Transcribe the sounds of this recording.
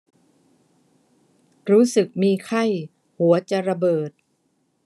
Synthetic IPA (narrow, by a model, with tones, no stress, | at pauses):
ɾuː˦˥sɯ˨˩k̚miː˧kʰa˥˩j | hu˩˦ɐt͡ɕa˨˩ɾa˧bɤː˨˩t̪̚